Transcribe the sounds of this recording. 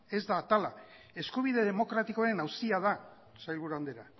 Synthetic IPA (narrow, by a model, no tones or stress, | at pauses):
e̞zd̪at̪ala | e̞skuβ̞ið̞e̞ðe̞mo̞kɾat̪iko̞aɾe̞nawsiað̞a | sajlβuɾuand̪e̞ɾa